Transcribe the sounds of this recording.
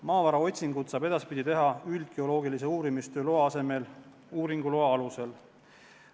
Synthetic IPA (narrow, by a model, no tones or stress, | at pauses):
mɑːvɑɾɑo̞t̪ʲsiŋɡ̥ud̪̥sɑːbe̞d̪ɑspid̪ʲit̪e̞ɦɑyld̪̥̚ɡ̥e̞o̞lo̞ːɡilis̬e̞uːɾimist̪øːloɑɑse̞me̞l | uːɾiŋɡ̥uloɑɑluse̞l